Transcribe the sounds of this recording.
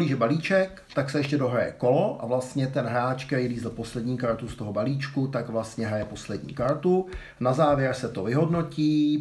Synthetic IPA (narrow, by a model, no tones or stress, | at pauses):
liːʒɛbaliːt͡ʃɛk | t̪aksɛɛʃcɛdo̞ɦɾajɛ̰ko̞lo̞ʔa̰vlast̪ɲɛt̪ɛnɦɾaːt͡ʃkɛɾiːliːzl̩po̞slɛdɲiːkaɾt̪ust̪o̞ɦobaliːt͡ʃkut̪aɡvlast̪ɲɛɦɾajɛpo̞slɛdɲḭːkaɾt̪u | nazaːvjɛɾsɛt̪o̞vɪɦo̞dno̞ciː